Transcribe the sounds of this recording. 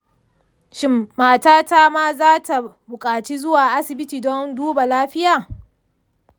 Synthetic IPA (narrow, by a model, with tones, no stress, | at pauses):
ʃɪ˨mːaː˨taː˦taː˦maː˦zaː˦ta˨bʊ˨kʼaː˨t͡ʃi˦zʊ˦waː˨ʔa˦sɪ˨bɪ˦tiː˨dɔ˦nduː˦ba˨laː˦ɸɪ˦jaː˨